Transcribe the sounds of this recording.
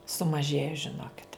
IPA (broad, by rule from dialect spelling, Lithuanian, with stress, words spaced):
sʊmɐˈʒʲeːjɛ ʒʲɪˈnoːkʲɪt